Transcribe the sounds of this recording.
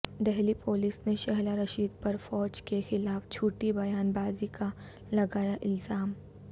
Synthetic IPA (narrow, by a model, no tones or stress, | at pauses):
d̪ɛɦlipoːlisneʃɛɦlaɾɐʃiːd̪̚pɐɾfɔːd͡ʒkexɪlaːft͡ʃʰuːʈibɐjaːnbaːzika | lɐɡaːjaʔɪlzaːm